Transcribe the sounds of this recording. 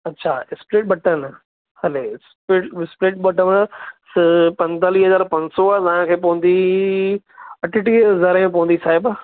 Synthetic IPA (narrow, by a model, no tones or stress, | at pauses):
ɐtːɕʰaɪspɾeːʈ̚ɓɐʈən | hɐlespeːʈɪspɾeːʈ̚ɓɐʈəʋəɽspɐ̃nt̪aːliɦɐzaːɾpɐ̃nsoat̪ɐɦãkʰeːp̬oɦə̃nd̪i | ɐʈʰɪʈiːɐzaːɾmẽp̬ɐʋə̃nd̪isaːɦɪb